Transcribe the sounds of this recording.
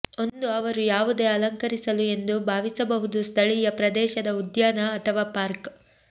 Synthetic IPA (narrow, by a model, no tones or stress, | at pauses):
o̞nd̪uɐʋɐɾujaːʋud̪e̞ːɐlɐŋkɐɾisɐlue̞nd̪ubʱaːʋisɐbɐɦud̪ust̪ʰɐɭijɐpɾɐd̪ɛːʃɐd̪ɐud̪jaːnɐːt̪ʰɐʋaːpaːɾk